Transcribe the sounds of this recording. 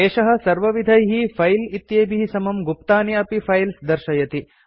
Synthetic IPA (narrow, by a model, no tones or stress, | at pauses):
eːʃɐɦɐ̆sɐɾʋɐʋid̪ʱɐjɦipʰɐjlit̪jeːbʱiɦisɐmɐmɡupt̪aːniɐpipʰɐjlsd̪ɐɾʃɐjɐt̪i